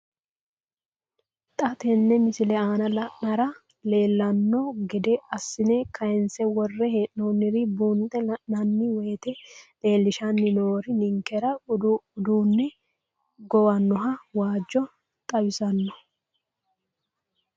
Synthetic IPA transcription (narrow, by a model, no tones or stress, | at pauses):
t̪ʼɐt̪ɛnːɛmɪsɪlɛaːnɐlɐʔɐɾɐ | le̞ːlːɐnːɔɡɛd̪ɛɐsːɪnɛkʰɐjɪnsɛwɔrːɛheːʔnonːɪɾɪbuːnt̪ʼːɛlɐʔnɐnːɪweːt̪ɛle̞ːlːɪʃɐnːɪnoːɾɪnɪŋkːɛɾɐʊd̪uːnːɛ | ɡɔwɐnːɔɦɐwaːd͡ʒːɔ | t̪ʼɐwɪsɐnːɔ